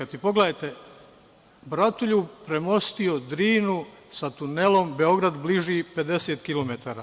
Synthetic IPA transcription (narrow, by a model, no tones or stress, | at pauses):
at̪ipo̞ɡleajt̪e̞ | bɾat̪uʎupɾe̞mo̞st̪io̞d̪ɾiːnusat̪une̞lo̞mbe̞o̞ɡɾad̪bliʒipe̞d̪e̞seːt̪kilo̞met̪aːɾa